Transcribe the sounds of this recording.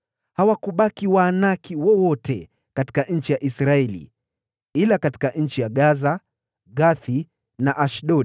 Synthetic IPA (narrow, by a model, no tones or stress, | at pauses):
hawakuɓakiwaːnakiwɔwɔtʰɛ̰ | kati̥kaɲ̩t͡ʃijaʔisɾaɛlḭ | ilakati̥kaʔɲ̩t͡ʃijaɠaza | ɡaθi | naʔaʃɗɔ